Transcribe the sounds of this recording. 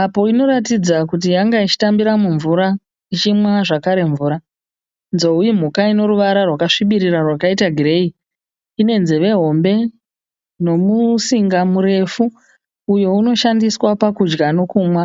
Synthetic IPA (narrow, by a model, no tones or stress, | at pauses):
apo̞ino̞ɾatid͡zakut̬ijaŋɡait͡ʃi̥tambiɾamuɱvuɾa | it͡ʃimwaʐakaɾe̞ɱvuːɾa | nzo̞ujim̤ukaino̞ɾuʋaɾarwakaʂiɓiɾirarwakaitaɡʱire̞i | ine̞nzeʋe̞ɦo̞mbe̞ | no̞musiŋɡamuɾe̞fuː | jo̞uno̞ʃandiswapakud͡ʒɡano̞kuːmwa